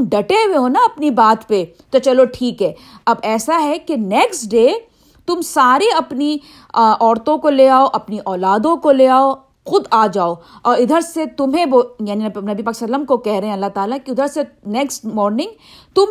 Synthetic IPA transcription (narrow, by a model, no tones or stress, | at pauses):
mɖɐʈeʋeɦonaɐpnibaːt̪pe | t̪ot͡ʃɐloʈʰiːkɦɛːɐbɛːsaɦɛkenɛksʈɖeː | t̪ʊmsaːɾeɐpni | ɔːɾt̪õkoleːaːoʔɐpniʔɔːlaːd̪õkoleːaːo | xʊd̪aːd͡ʒaːoɔːɾɪd̪ʱəɾset̪ʊmɦẽʋojaːninɐnɐbipaksɐləmkokɛɦɾɐɦɛ̃ɐlːaɦt̪aːlakeʊd̪ʱəɾsenɛksʈmɔːɾnɪ̃ŋɡt̪ʊm